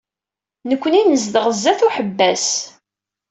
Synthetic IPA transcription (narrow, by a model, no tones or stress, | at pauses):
nəkʷːəninəzd̪əʁəzːæθuħəbːæs